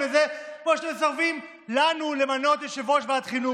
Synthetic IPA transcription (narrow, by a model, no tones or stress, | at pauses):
ezekmoʃatemesaʁfim | lanule̞mano̞t̪jeʃevoʃveat̪χinu